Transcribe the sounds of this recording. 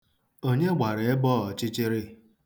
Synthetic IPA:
o˦ɲe˦ɡ͡bʷa˨ɾe˨e˦bɔː˦˨ɔ˨t͡ʃɪ˦t͡ʃe˦ɾɪ˦

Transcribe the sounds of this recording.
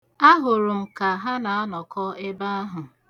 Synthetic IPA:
a˦ɦʊ˨ɾʊ˨m̩˨ka˨ɦa˦na˨a˦nɔ˨kɔ˦ɪ˦ba˦a˦ɦʊ˨

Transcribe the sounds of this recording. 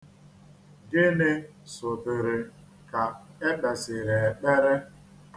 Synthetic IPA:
dɪ˦nɪ˦ | sʊ˨dɪ˨ɾɪ˨ | ka˨e˦k͡pe˨sɪ˨ɾe˨e˨k͡pe˦ɾe˦

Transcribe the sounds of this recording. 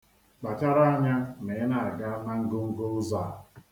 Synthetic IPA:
k͡pa˨t͡ʃa˦ɾa˦a˦ɲa˦me˨˦na˨a˨ɡa˦na˦ŋ̩˦ɡʊ˦ŋ̩˦ɡo˦ʊ˦za˦˨

